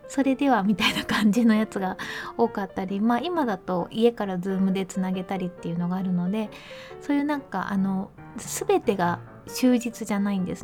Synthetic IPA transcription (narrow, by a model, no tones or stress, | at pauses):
so̞ɾe̞d̪e̞βamʲit̪ainakãɲ̟d͡ʑino̞jat͡sɨɡao̞ːkat̪ːaɾʲimaːimad̪at̪o̞ʔie̞kaɾad͡zɨːmɯ̟d̪e̞t͡sɨnaɡe̞t̪aɾʲit̪ːe̞jɯ̟no̞ɡaːɾɯ̟no̞d̪e̞ | so̞ːjɯ̟nãŋka̰ʔa̰no̞ | sɨbe̞t̪e̞ɡa | ɕɨːʑit͡sɨʑanaĩnd̪e̞sɨ